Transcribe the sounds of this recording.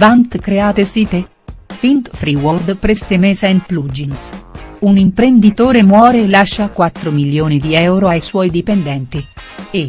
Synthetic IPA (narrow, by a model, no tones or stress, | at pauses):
vant̪kɾeaːt̪esiːt̪e | fint̪fɾiword̪pɾɛst̪emeːsainplud͡ʒinsunimpɾend̪it̪oːɾemwɔːɾelaʃːakwat̪ːɾomiljoːnid̪iɛwɾoajswɔːjd̪ipend̪ɛnt̪ie